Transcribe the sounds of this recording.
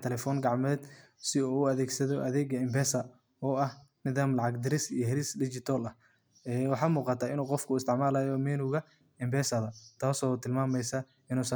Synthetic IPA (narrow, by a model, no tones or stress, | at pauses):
t̪ʰɛlɛfɔːŋɡɑʕmɛːd̪sɪuʊɐðɛːɡsɐðɔʔɐðɛːɡɐɪmbɛːsɐ | ɔːɐhnɪðaːmlɑʕɑɡd̪ɪɾɪsijɔɦɛlɪsdɪt͡ʃɪt̪ʰɔːlɐh | ɛːwɑħɑːmuːqɑt̪ʰaːɪnuːqɔfkʰʊɪst̪ʰɪʕmaːlaːjɔmɛːnuɣɐ | ɪmbɛːsɐðɐt̪ʰaːsɔːt̪ʰɪlmaːmɛjsɐ | ɪnuːsɐ